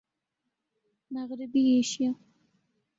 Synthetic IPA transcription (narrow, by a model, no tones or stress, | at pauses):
maɣɾɪbieʃja